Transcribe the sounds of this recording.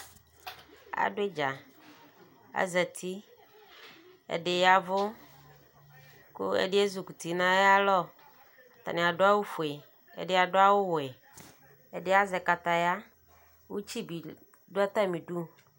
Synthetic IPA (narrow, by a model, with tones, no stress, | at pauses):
a̰˨ɖʊ˦e˦d͡ʒa˨ | a̰˦zɛ˨t̪ʰi˦ | ḛ˨ɖe˨ja˨vʊ˦ | kʊ̰˦ḛ˦ɖe˦e˦zu˨ku˨t̪i˨nã˦ja˦lɔ˦˨ | t̪a̰˨nɪ̃˨a˨ɖʊ˦a˦wo˦fu˨e˨ | ḛ˨ɖɪ˦a˨ɖʊ˦a˦wʊ˦wʊ˨ɛ˨ | e˨ɖe˦a˦zɛ˨ka˨t̪a˨ja˦ | wu˦t͡ɕi˦bi˨ | ɖʊ˦a˦t̪a˦mĩ˨ɖu˦